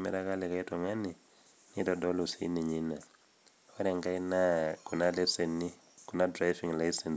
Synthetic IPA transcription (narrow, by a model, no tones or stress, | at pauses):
mɛ̰ɾakalɛkaitɔŋani | nitɔdɔlusiḭniɲina | aɾɛŋɡainakunalɛsɛni | kunadɾajviŋlaisɛns